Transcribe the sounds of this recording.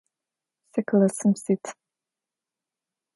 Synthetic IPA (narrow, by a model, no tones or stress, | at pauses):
sɛkʰlasɨmsit̪ʰ